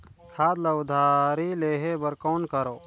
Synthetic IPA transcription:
kʰaːd̪lɐʊd̪ʱaːɾileːɦebəɾkoːnkəɾoː

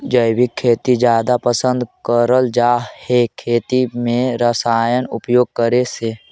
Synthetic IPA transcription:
d͡ʒəjbʱikʰːeːt̪id͡ʒjaːd̪apəsə̃nd̪kəɾəld͡ʒaːhekʰeːt̪imẽɾəsaːjənʊ̰pjoːɡ̚kəɾeseː

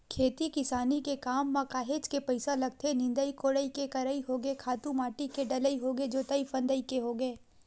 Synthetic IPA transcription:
kʰeːt̪ikɪsaːnikekaːmːãkaːɦeːd͡ʒkepɐɪsalɐɡ̚t̪ʰenɪ̃nd̪əikoːɽəikekɐɾəiɦoːɡekʰaːt̪ũmaːʈikeɖɐləiɦoːɡed͡ʒoːt̪ɐifɐ̃nd̪əikeɦoːɡeeː

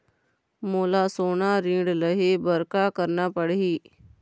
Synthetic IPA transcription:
moːlasoːnaɾĩːɖləɦebəɾkakəɾnapəɽiː

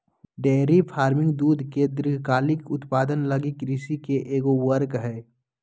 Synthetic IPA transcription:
ɖeːɾipʰaːɾmɪ̃ŋɡd̪uːd̪ʱked̪ɾɪɡʱkaːlɪkʊt̪paːd̪ənləɡikɾɪsikeʔeːɡowəɾkɦɛː

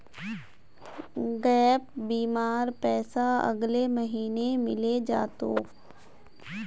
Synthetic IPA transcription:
ɡɛːp̚biːmaːɾpɛːsaɐ̰ɡleməɦiːnemɪled͡ʒaːt̪oː

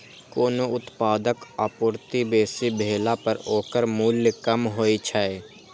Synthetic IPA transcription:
koːnoʊt̪paːd̪əkapʊːɾt̪ibeːsibʱeːlapəɾoːkəɾmuːljəkəmɦoːit͡ʃʰae

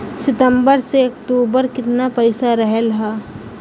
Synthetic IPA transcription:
sɪt̪ə̃mbəɾseɐkʈ̪uːbəɾkɪt̪napɐɪsaɾɐɦɛlɦaː

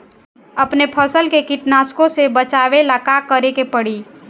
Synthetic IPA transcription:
əpnepʰəsəlkekɪʈnaːskõsebət͡ʃaːʋelakakəɾekepəɽiː

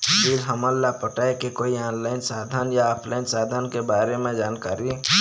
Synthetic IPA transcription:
bilɦəməlːapəʈaːekekoːianlaɪnsaːd̪ʱənjaɔːpʰlaɪnsaːd̪ʱənkebaːɾemẽd͡ʒaːnkaːɾi

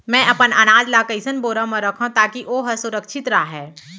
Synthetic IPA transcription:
mɛ̃ːʔɐpənɐnaːd͡ʒlaːkəɪsənboːɾãmɐ̃ɾɐkʰõt̪aːkiʔoːɦɐsʊɾəkʃʰɪt̪ɾaːɦɛː

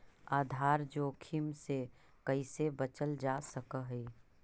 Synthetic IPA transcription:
aːd̪ʱaːɾd͡ʒoːkʰimse | kəisebət͡ʃəld͡ʒaːsəkəɦeː

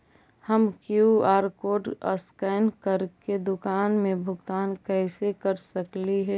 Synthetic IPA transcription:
həmkjuaːɾkoːɖə̰skɛːnkəɾked̪ʊkaːnmẽbʱʊɡt̪aːnkɛːsekəɾsəkliɦɛː

